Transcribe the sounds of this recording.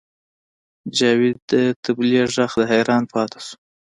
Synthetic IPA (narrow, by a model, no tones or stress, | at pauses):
d͡ʒɑwɪd̪ət̪ɪblieʒaxd̪əɦajɾɑnpʰɑt̪ʰḁsu̥